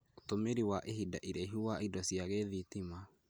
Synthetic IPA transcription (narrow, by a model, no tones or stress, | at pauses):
otomeɾiwaʔeɦidaʔiɾeɦiwaidɔsjaɣeðitima